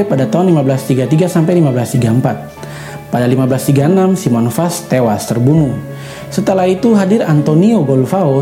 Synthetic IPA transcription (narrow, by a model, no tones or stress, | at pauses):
padat̪aɦunlimablast̪iɡat̪iɡasampajlimablast̪iɡaəmpat̪̚ | padalimablast̪iɡaənamsimɔnfast̪ewast̪ərbunu | sət̪əlahit̪uɦadɪɾant̪onioɡɔlfao